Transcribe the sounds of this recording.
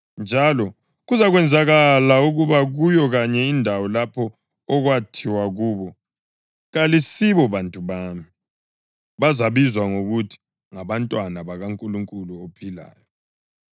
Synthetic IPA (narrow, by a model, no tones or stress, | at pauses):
nd͡ʒʱalɔ | ɣuzaɣwɛnd͡zʱaɣalauɣuβaɣujɔɣaɲɛindʱawɔlapʰɔː | ɣwatʰiwaɣuːβɔ | ɣalisiβɔβantʼuβaːmi | βazaβizwaŋoɣutʰi̥ | ŋaβantʼwanaβaɣaŋkʼuluŋkʼuluopʰila̰ːjɔ